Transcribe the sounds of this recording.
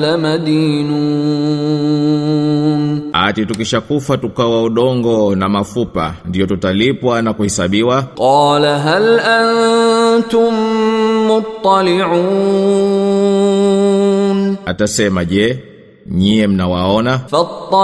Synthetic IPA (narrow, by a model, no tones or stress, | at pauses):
lamad̪iːnu | nha̰titukiʃakufatukawauɗɔŋɡɔnamafupa̰ndijɔtutalipwanakuhɛsaɓiwaqɑːlaɦalʔannt̪ʊmː | ʊt̪ˤːɑlɪʕuː | natasɛmaʄɛ | ɲiɛm̩nawaɔnafɑt̪ˤːɑ